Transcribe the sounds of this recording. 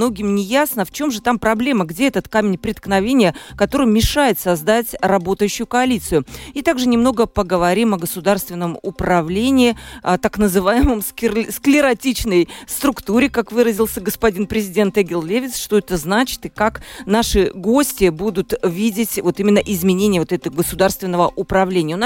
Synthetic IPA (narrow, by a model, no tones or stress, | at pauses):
no̞ɡʲɪmnʲɪjasnəft͡ɕo̞mʐɨt̪ampɾɐblʲe̞məɡdʲeɛt̪ət̪kamʲɪnʲpɾʲɪt̪knɐvʲenʲɪjəkɐt̪o̞ɾɨjmʲɪʂajɪt̪sɐzd̪atʲrɐbo̞t̪əjʉɕːʊjʊkəɐlʲit̪sɨjʊit̪aɡʐɨnʲɪmno̞ɡəpəɡəvɐɾʲimɐɡəsʊd̪arst̪vʲɪnːəmʊpɾɐvlʲenʲɪːət̪aknəzɨvajɪməmsksklʲɪɾɐtʲit͡ɕnəjst̪ɾʊkt̪uɾʲɪkakvɨɾəzʲɪlˠsʲəɡəspɐdʲinpɾʲɪzʲɪdʲent̪ɛɡʲɪlˠlʲevʲɪt̪sʂt̪o̞ɛt̪əznat͡ɕɪ̥t̪ɨkaknaʂɨɡo̞sʲtʲɪbud̪ʊt̪vʲidʲɪtʲvo̞t̪imʲɪnːəʔɪzmʲɪnʲenʲɪjəvot̪ɛt̪əɡəsʊd̪arst̪vʲɪnːəvəʔʊpɾɐvlʲenʲɪjəʊn